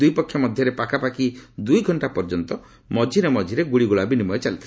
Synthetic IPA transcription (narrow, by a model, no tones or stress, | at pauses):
ujpɔkʰːjɔmɔd̪ʱjɔɾepakʰapakid̪ujɡʱɔɳʈapɔɾd͡ʒɔnt̪ɔ | mɔd͡ʒʱiɾemɔd͡ʒʱiɾeɡuɽiɡuɭabinimɔjet͡ʃalit̪ʰ